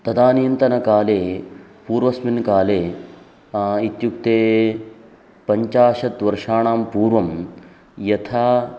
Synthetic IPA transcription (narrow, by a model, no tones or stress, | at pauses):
t̪ɐd̪aːnijɐnt̪ɐnɐkaːleːpuːɾʋɐsminkaːleː | it̪jukt̪eː | pɐɲt͡ʃaːʂɐt̪ʋɐɾʂaːɳaːmpuːɾʋɐm | jɐt̪ʰaː